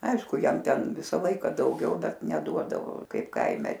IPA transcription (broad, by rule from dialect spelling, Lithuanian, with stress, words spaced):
ˈɐɪʃkʊ ˈjɛm ˈtʲɛn ˈʋʲɪsɐ ˈlˠɐɪkɐ dɐʊˈɡʲɛʊ ˈbʲɛt nʲɛˈduɔdɐʋoː ˈkɐɪp ˈkɐɪmʲɛ